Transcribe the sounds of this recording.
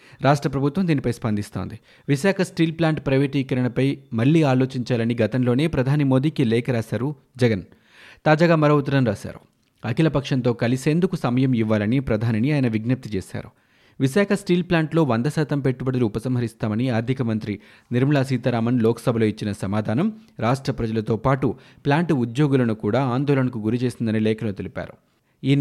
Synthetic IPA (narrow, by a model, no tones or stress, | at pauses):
ɾaːʂʈɾɐpɾɐbʱut̪ʋɐmd̪iːnipɐjspɐnd̪ist̪o̞̰ːnd̪i | ʋiʃaːkʰɐsʈiːlplaːɳʈpɾɐʋeːʈiːkɐɾɐɳɐpɐjmɐɭːiːaːloːt͡ʃiɲt͡ʃaːlɐniɡɐt̪ɐmlo̞ːne̞ːpɾɐd̪ʱaːnimo̞ːd̪iːkilɛːkɐɾaːʃaːɾu | d͡ʒɛɡɐn | t̪aːd͡ʒaːɡaːmɐɾɐwut̪̬ɐɾɐmɾaːʃa̰ːɾṵ | ɐkilɐpɐkʂɐnt̪o̞ːkɐlise̞ːnd̪ukusɐmɐjɐmiʋːaːlɐnipɾɐd̪ʱaːniniaːjɐnɐʋiɡnɐp̚t̪it͡ʃeːʃa̰ːɾṵ | ʋiʃaːkʰɐsʈiːlplaːɳʈlo̞ːʋɐnd̪ɐsaːt̪ɐmpe̞ʈːubɐɽɐluːpɐsɐmɦɐɾist̪aːmɐniaːɾd̪ʱikɐmɐnt̪ɾi | niɾmɐɭaːs̬iːt̪ɐɾaːmɐnlɔːkɐ̥sɐbʱɐlo̞ːit͡ʃːinɐsɐmaːd̪ʱaːnɐmɾaːʂʈɾɐpɾɐd͡ʒɐlɐt̪o̞ːpaːʈu | plaːɳʈud̪jo̞ːɡulɐnukuːɽaːaːnd̪ɔːlɐɳɐkuɡuɾit͡ʃe̞ːsind̪ɐnilɛːkɐlot̪elipa̰ːɾṵ | iːn